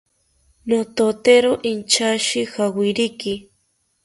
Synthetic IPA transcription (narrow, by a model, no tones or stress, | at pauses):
not̪ot̪eɾoʔint͡ʃaʃɪxawɪɾɪkɪ